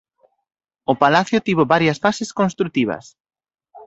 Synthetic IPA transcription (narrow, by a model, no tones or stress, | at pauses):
ʊpalaθjot̪iβoβaɾjɐsfaseskonst̪ɾut̪iβ̞ɐ̰s